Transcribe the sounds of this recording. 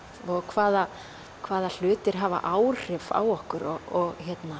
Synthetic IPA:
ɔɣkʰvaːða | kʰvaːðal̥ʏːt̪ɪɾ̥ɦava̰ʔaːwr̥ɪva̰wɔhkʏɾɔɔɣçjɛt̪na

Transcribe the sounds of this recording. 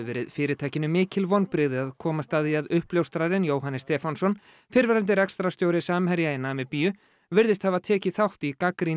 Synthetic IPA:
vɛ̰ːɾɪðfɪːɾɪt̪ʰaːjcɪnʏmɪːcɪlvɔnpɾɪðɪaðkʰɔːmast̪aːðiaðʏhpljowst̪ɾaɾɪnjoːwɦanːɪst̪ɛːfansɔn | fɪɾvɛɾant̪ɪɾɛkst̪ɾast̪joːwɾɪsaːmhɛɾjainaːmɪpiːjʏ | vɪɾðɪst̪havaðt̪ʰɛːcɪθawht̪ikakɾi

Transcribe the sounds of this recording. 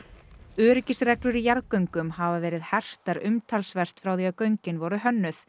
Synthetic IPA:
œːɾɪcɪsrɛklʏɾijaɾðkœɥŋkʏmhavavɛːɾɪðhɛr̥t̪aɾʏmt̪ʰalsvɛr̥t̪fɾawθiakœɥɲcɪnvɔɾʏɦœnːʏθ

